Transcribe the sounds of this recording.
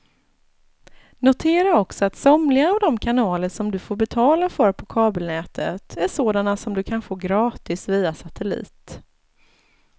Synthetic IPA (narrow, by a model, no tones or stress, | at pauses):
nʊt̪ʰeːɾaɔksɔat̪sɔmlɪɡaːvd̪ɔmkʰanɑːləʂɔmd̪ɵfoːɾbɛt̪ʰɑːlafœɾpʰɔkʰɑːbəlnɛːt̪ʰət̪ʰæʂoːd̪anasɔmd̪ɵkʰanfoːɡɾɑːt̪ɪsviːasat̪ʰɛlḭːt̪